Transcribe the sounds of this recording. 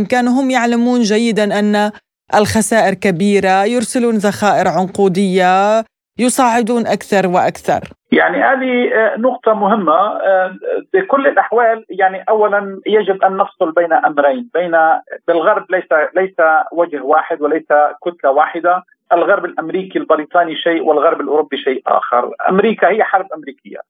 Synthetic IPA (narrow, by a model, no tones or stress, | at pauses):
mkaːnuɦʊmːjaʕlamuːnd͡ʒajːɪd̪anʔanːa | ʔɪlxasaːʔɪɾkabiːɾajʊɾsɪluːnzaxaːʔɪɾʕʊnquːd̪ɪjːa | jʊsˤɑːʕɪd̪uːnʔakθɑɾˤwɪʔakθɑ̰ɾˤja̰ʕnihaːðinʊqt̪ˤɑmʊhɪmːa | bɪkʊlːɪlʔaħwaːljaʕniʔawːalanjad͡ʒɪbʔanːɑfsˤʊlbeːnaʔamɾajnbeːnabɪlɣɑɾˤb̚lajsalajsawad͡ʒhwaːħɪd̪wɪlajsakʊt̪lawaːħɪd̪a | ʔɪlɣɑɾˤbɪlʔamɾiːkilbɪɾiːt̪ˤɑːniʃaːʔwʔɪlɣɑɾˤbɪlʔʊɾʊbːiʃaːʔʔa̰ːxɪ̰ɾˤʔa̰mɾiːkahɪjːaħɑɾˤbʔamɾiːkɪ̰jːa̰